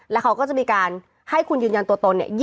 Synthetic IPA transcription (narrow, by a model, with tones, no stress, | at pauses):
lɛː˦˥wkʰa˦wkɔː˥˩t͡ɕa˨˩ʔmiː˧kaː˧n | ha˥˩jkʰu˧njɯː˧nja˧nt̪u˧t̪o˧nːi˥˩ɐ